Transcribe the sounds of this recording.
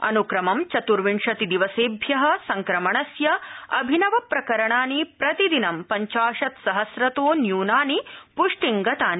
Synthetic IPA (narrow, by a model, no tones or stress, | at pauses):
ɐ̰nukɾɐmɐmt͡ʃɐt̪uɾʋiɳʂɐt̪id̪iʋɐseːbʱjɐɦɐ̆sɐŋkɾɐmɐɳɐsjɐɐ̰bʱinɐʋɐpɾɐkɐɾɐɳaːnipɾɐt̪id̪inɐmpɐɲt͡ʃaːʂɐt̪sɐɦɐsɾɐt̪oːnjuːnaːnipuʂʈiŋɡɐt̪aːni